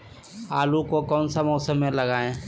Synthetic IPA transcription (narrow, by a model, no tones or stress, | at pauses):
aːlukokɔːnsamɔːsəmːẽlɐɡaːẽː